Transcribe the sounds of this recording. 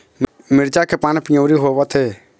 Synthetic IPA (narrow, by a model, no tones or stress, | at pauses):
mɪɾt͡ʃaːkʰeːpaːnpɪjəːɾiɦoːʋat̪ʰeː